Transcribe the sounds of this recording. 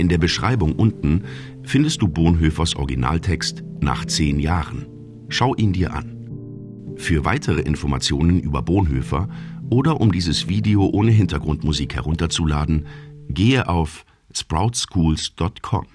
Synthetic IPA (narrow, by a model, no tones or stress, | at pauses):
ʔɪndeːɐbəʃʁ̥a̰ɪbʊŋʔʊntn̩ | fɪndəstd̥uːboːnɦøːfɐsʔɔ̰ɐɡina̰ːltʰɛkstna̰ːχt͡seːnjaːʁən | ʃaʊʔiːndiːɐʔa̰n | fyːɐva̰ɪtʰəʁ̞əʔɪnfɔɐma̰t͡sjoːnənʔyːbɐ̰boːnɦø̰ːfɐ̰ʔoːdɐʔʊmdiːzəsv̥iːdeoʔoːnəɦɪntɐɡʁʊntmuziːkhɛ̰ʁʊntɐt͡sulaːdn̩ɡeːəʔaʊf | spʁaʊtskʰuːlsd̥ɔtkʰɔ̰m